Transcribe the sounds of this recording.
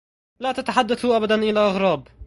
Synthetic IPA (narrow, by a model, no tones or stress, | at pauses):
laːt̪at̪aħad̪ːaθhʊʔabad̪anʔɪlaʔɑɣɾˤɑːb